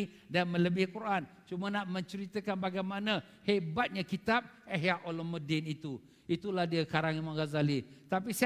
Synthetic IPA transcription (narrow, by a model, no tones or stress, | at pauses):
danmə̃ləbɪhkuɾʔant͡ʃumənaʔmə̃ɲt͡ʃəɾit̪əkanbaɡajmanã | hebat̪̚ɲakit̪ap̚ | əɦjaʔolɔmədɪnit̪u | it̪ulahdiakaɾaŋimaŋɡazalit̪apis